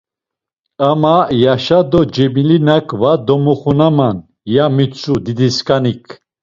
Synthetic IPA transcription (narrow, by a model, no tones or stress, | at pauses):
amajaʃad̪ɔd͡ʒɛbilinakʰʼvad̪ɔmɔχunaman | jamit͡sʼud̪id̪iskʼanikʰ